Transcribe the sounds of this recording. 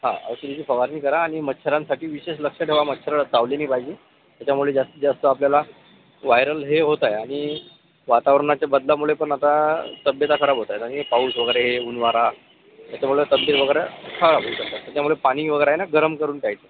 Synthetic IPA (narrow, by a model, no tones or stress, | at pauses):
ɦã̰ə̰ʋsulit͡ɕiːfəʋaɾniːkəɾaːɽ̃imət̪ːɕʰəɾansaʈiːʋiɕeɕləkʂəʈʰeʋamət̪ːɕʰəɾəd͡zaʋleniːpaid͡ʑiː | t̪jat͡ɕjamuɭed͡zast̪əd͡zast̪əapljala | ʋajɾəlɦeɦot̪ajaɽ̃i | ʋat̪aʋɾəɳat͡ɕjabəd̪lamuɭepəɳat̪at̪əbjət̪akʰəɾabʱɦot̪ajt̪añipauːsʋəɡəɾeɦeunʋaɾa | t̪jat͡ɕamuɭet̪əbjət̪ʋəɡəjɾəkʰaɾabʱousək̚t̪at̪t̪jat͡ɕjamuɭepaɽ̃iːʋəɡəjɾaɦenaɡəɾəmkəɾuːnʈajt͡se